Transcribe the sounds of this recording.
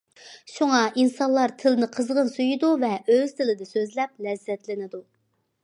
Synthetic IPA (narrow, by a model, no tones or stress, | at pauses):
ʃuŋɑʔinsɑnlˠɑɾt̪ʰɪlɪnɪqʰəzʁənsyjid̪uvɛøz̥t̪ʰɪlɪd̪ɪsøzlɛp̚lɛzːɛt̪lɪnɪd̪u